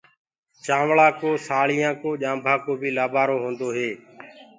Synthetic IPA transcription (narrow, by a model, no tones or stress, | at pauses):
t͡ʃaːʋɭaːkoːsaːɭɪjãːkoːʄãːmbʱãːkoːbʱiːlaːbʱaːɾoːɦõːnd̪oːɦeː